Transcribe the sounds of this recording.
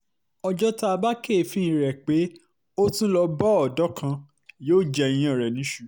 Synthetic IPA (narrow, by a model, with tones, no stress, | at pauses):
ɔ˧d͡ʒɔ˦ta˧a˧ba˦ke˦˨fĩ˦ĩ˧˨ɾɛ˨k͡pe˨˦ | o˦tũ˦lɔ˧bɔ˦ɔ˨dɔ˨˦kʰã˧ | joː˦˨d͡ʒɛ˧ĩ˧j̃ã˨ɾɛ˨nĩ˨˦ʃu˦˨